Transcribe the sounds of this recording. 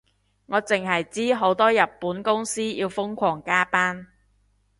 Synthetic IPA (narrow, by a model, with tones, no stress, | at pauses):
ŋɔː˨˧t͡sɪ˨ŋɦɐ˨jt͡siː˥ɦo˨˥wt̪ɔː˥jɐ˨˩p̚ːuː˨˥nkʊ˥ŋsiː˥jiː˧wfʊ˥ŋkʷʰɔː˨˩ŋkaː˥paː˥n